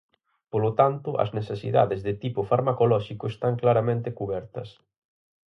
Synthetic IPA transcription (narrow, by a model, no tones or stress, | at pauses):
polot̪ant̪ʊʔɐ̰znesesḭða̰ðezðɪt̪ipʊfaɾmakolɔʃikʊest̪aŋklaɾamẽnt̪ekuβɛɾt̪ɐ̰s